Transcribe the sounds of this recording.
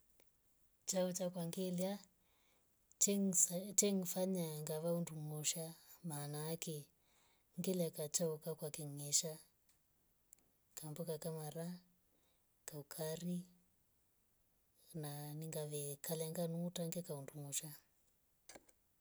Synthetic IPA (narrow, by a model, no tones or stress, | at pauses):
t͡ʃaut͡ʃakwaŋɡela | tɛŋfaɲaŋɡaʋaunduŋɔʃamanaːkɛ | ŋɡelakat͡ʃaukakwakɛŋeʃa | kambɔkakamaɾa | kaukʰari | naniŋɡaʋɛkalaŋɡanuːtaŋɡekaundumuʃa